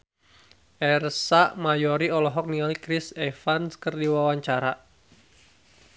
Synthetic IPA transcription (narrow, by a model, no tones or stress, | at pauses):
ʔɛrsaʔmajɔɾiɔlɔɦɔk̚niŋalikɾisɛfanskərdiwawaɲt͡ʃaɾa